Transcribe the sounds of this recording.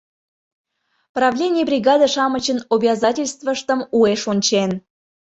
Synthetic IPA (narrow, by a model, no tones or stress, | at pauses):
prɑvlʲenʲijəbrʲiɡɑd̪əʃɑmət͡ɕənobʲiɑzɑtʲelʲst̪vəʃt̪əmueʃonʲt͡ɕen